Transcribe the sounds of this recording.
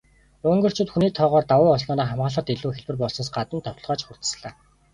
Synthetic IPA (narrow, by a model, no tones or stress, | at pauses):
ʊŋɡɵ̆r̥t͡ɕʰʊːt̪xuniːt̪ʰɔːʁɔːrt̪awʊːɔsɮnɔːnaːχamʁaːɮə̆t̪eɮuːxeɮpɘ̆rpɔɮsnɞ̆sɢat̪ə̆nt̪ʰɔwt̪̆ɮʁɔːt͡ɕχʊr̥t̪̆sɮaː